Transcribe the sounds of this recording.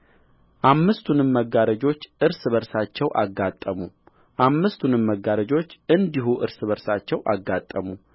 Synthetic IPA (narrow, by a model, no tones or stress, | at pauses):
ʔamːɨst̪ʰunɨmməɡːaɾəd͡ʒo̞t͡ʃːʔɨɾsβəɾsat͡ʃːɛwʔa̰ɡːat̪ʼːəmu | ʔamːɨst̪ʰunɨmməɡːaɾəd͡ʒo̞t͡ʃːɨnd̪iɦuʔɨ̰ɾsβəɾsat͡ʃːɛwʔa̰ɡːat̪ʼːəmu